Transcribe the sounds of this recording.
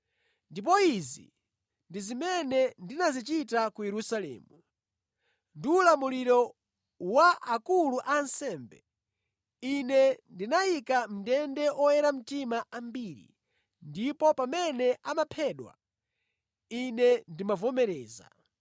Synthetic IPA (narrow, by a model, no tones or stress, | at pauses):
ndip̬ɔizḭ | ndizimɛnɛndinazit͡ʃitakujɛɾusalɛ̰ːmu | ndiulamuliɾɔ | waʔakuluʔansɛːmbɛ̰ | inɛndinajikam̩dɛndɛʔɔjɛɾam̩timaʔambiːɾḭ | ndipɔpamɛnɛʔamapʰɛɗwa̰ | inɛndimavɔmɛɾɛːza̰